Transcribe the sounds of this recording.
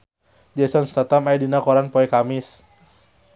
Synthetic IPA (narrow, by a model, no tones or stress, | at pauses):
d͡ʒɛsɔnst̪at̪amajdinakɔɾanpɔɛkamɪs